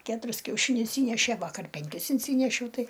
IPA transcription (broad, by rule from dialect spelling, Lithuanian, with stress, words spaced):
ˈkʲæːtʊrʲɪs kʲɛʊˈʃʲɪnʲʊs ˈiːnʲɛʃʲeː ˈʋɑːkɐr pʲɛŋʲˈkʲɪs ɪnʲˈsʲiːnʲɛʃʲɛʊ ˈtɐɪ